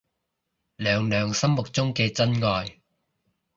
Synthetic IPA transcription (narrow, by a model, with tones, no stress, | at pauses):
lœː˨˧ŋlœː˨˧ŋsɐ˥mmʊ˨k̚t͡sʊ˥ŋkɛː˧t͡sɐ˥nŋɔː˨˧j